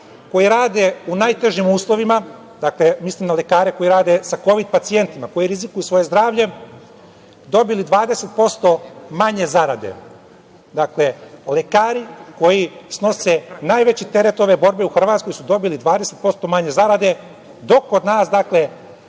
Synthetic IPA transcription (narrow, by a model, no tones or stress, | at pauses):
ko̞jiɾaːd̪e̞unajt̪e̞ʒimuːslˠo̞ʋima | d̪aklemislimnale̞kaːɾe̞ko̞jiɾaːd̪e̞sako̞ʋid̪̚pat̪sije̞nt̪imako̞jiɾizikujusʋo̞je̞zd̪ɾaːʋʎe̞ | d̪o̞bilid̪ʋaːd̪ese̞t̪̚po̞st̪o̞maɲe̞zaɾad̪ḛ | d̪akle̞le̞kaːɾiko̞jisno̞senaːjʋet͡ɕit̪eɾet̪o̞ʋebo̞ɾbe̞uxr̩ʋaːt̪sko̞jsud̪o̞bilid̪ʋaːd̪ese̞t̪̚po̞st̪o̞maɲe̞zaɾad̪e̞ | d̪o̞kːod̪naːsd̪akle̞